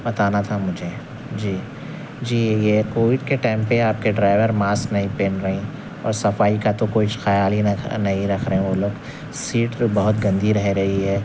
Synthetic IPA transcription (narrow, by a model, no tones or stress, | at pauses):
bɐt̪aːnat̪ʰamʊd͡ʒʱe | d͡ʒiː | d͡ʒiːjekoːʋɪɖkeʈaːɪ̃mpeaːp̚keɖɾaːɪʋəɾmaːsknɐɦĩpẽːnɾɐɦĩ | ɔ̰ːɾsɐfaːikat̪okoːit͡ʃxɐjaːlinnɐɦĩɾɐkʰɾɐɦɛ̃ʋoloːɡ | siːʈbɐɦʊt̪ɡɐ̃nd̪ʱiɾɐɦeɾɐɦiɦɛː